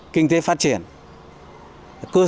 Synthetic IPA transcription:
kï˧ŋ̟t̪e˨˦faː˦˥t̚t͡ɕi˨˩ən | kɨ˧

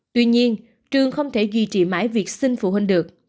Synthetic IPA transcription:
t̪wi˧ɲi˧ən | t͡ɕɨ˧˩əŋxə˧wŋ͡mt̪ʰe˧˩zḭ˧˩t͡ɕḭ˧˨˩ma̰ː˧˥jvi˨˩ək̚sï˧ŋ̟fṵ˧˩hwï˨˩ŋ̟ɗɨ˨˩ək̚

